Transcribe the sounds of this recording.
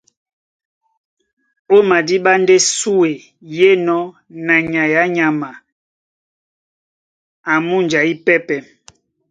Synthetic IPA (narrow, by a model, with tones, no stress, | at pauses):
o˦ma˨di˦ɓa˦n˦de˦su˦e˨ | je˦nɔ˦ | na˨ɲa˨ja˨˦ɲa˨ma˨ | a˨mu˦n˨d͡ʒa˨i˦pɛ˦pɛ˨